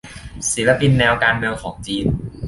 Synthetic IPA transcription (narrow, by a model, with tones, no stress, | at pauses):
si˩˦˥la˧pi˧nːɛː˧wkaː˧nme˧wkʰɔː˩˦ŋt͡ɕiː˧n